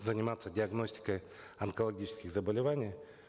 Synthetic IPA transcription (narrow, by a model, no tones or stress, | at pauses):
zənʲɪmat̪sːədʲɪɐɡno̞sʲtʲɪ̥kəj | ɐnkəlˠɐɡʲit͡ɕɪ̥skʲɪxzəbəlʲɪvanʲɪj